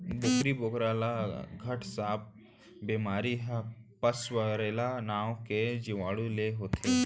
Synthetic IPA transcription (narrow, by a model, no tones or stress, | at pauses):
boːkɾiboːkɾaːlaɡʱɐʈʰsaːp̚ | beːmaːɾiɦɛpɐswəɾeːlanaːwked͡ʒɪʋaːɽuleɦoːt̪ʰeː